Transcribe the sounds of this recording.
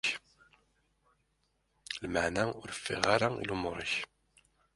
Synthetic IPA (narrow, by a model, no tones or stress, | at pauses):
lmaʕnæʊɾəfːɪ̰ʁaɾaḭlumoɾˤəç